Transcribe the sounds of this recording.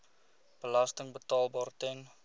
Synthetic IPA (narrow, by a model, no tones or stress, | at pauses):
b̥əlastəŋbətɑːlˠbɑːrtɛn